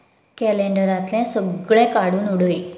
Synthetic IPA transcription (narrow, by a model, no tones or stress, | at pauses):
kɛleɳɖəɾãt̪lɛ̃səɡɭɛ̃kaɽuːnuɽəi